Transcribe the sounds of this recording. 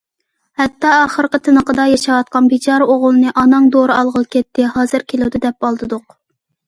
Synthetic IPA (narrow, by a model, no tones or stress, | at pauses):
hɛt̪ːɑːχəɾqət̪ʰɨnəqəd̪ɑjɑʃɑwɑt̪̚qɑnbit͡ʃʰɑɾoʁʊlˠɨnɨʔɑnɑŋd̪oɾɨɑlˠʁəlˠkʲɛt̪ːɪhɑːzɨɾkʲʰelˠuwd̪ɪd̪ɛp̚ɑlˠd̪ɨd̪ʊq